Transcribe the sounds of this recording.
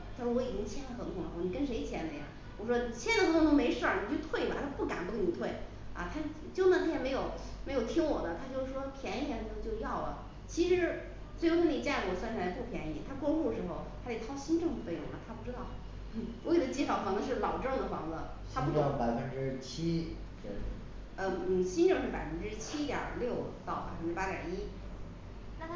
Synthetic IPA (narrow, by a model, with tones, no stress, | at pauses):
t̪ʰa˥˩ʂɔ˥wɔ˧˥i˨˩t͡ɕi˥ŋt͡ɕʰjɛ˥nlə˧xʰɤ˧˩˥ni˨˩kə˥nʂ̬ɪt͡ɕʰjɛ˧˥nə˧˩ja̰˨˩ | wɔ˨˩ʂwɔ˥˨˩t͡ɕʰjɛ˥nə˨˩xʰɤ˧˥˧o˥me˧˥ɪʂə˥˩ni˨˩t͡ɕʰʊt̪ʰwe˥˩ɪbɐ̰˨˩t̪ʰa˥pu˥˩ka̰˨˩npu˧˥kʰə˧˩˥ni˨˩t̪ʰwe˥˩ɪ | ɐ̰˩t̪ʰa˥ | t͡ɕjo˥˧ʊna˥˩t̪ʰjme˧˥ɪjo˨˩ʊ | m˧˥ɪjo˨˩ʊt̪ʰjo˥wɔ˨˩d̪ə˦t̪ʰa˥t͡ɕjo˥˧ʊʂɻ̩˥˩ʂwɔ˥pʰjɛ˧˥ni˨˧˥t͡ɕjo˥˧ʊjɑ˥˩ʊlə̰˩ | t͡ɕʰi˧˥ʂɻ̩˧˥ | t͡swe˥˧ɪ˥ə˥˩ni˥˧˩t͡ɕja˥˩˧wɔ˨˩swa˥˧n̩˥˧˩a˧˥ɪpu˥˩pʰjɛ˧˥nḭ˧˥t̪ʰa˥kwɔ˥˧lu˥˩d̪ə˩ʂɻ̩˧˥xo˥˧ʊt̪ʰa˥jt̪ʰɑ˥ʊɕi˥nʈ͡ʂɤ˥˩ŋd̪ə˧fe˥˧ɪjʊ˥˩ŋlə̰˩t̪ʰa˥pu˥˩ʈ͡ʂɻ̩˥t̪ɑ˥˩ʊ | n̩˥˩wɔ˧˥i˨˩d̪ə˧˥t͡ɕi˧˥ʂɑ˨˧˥ʊxʰɤ˨˩nɤ˧˥ŋʂ̬ɻ̩˥˩lɑ˨˩ʊʈ͡ʂɤ˥˩ŋd̪ə˩fɑ˧˥ŋlə̰˧˩a˥pu˥˩pa˨˩ɪfə˦nʈ͡ʂɻ̩˥t͡ɕʰḭ˥˧˩ | ə˥˧˩ɕi˥nʈ͡ʂɤ˥˧ŋʂɻ̩˥˩pa˨˩fə˥nʈ͡ʂɻ̩˥t͡ɕʰi˥t̪jɑ̰˨˩ljo˥˧ʊt̪ɑ˥˩ʊpa̰˨˩ɪfə˦nʈ͡ʂɻ̩˥pa˥d̪jɑ˨˩i˥ | na˥˩